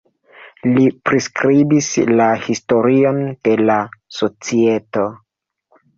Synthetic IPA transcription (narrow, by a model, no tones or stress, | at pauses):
lipɾiskɾibislahisto̞ɾio̞nd̥e̞laso̞t͡sieto̞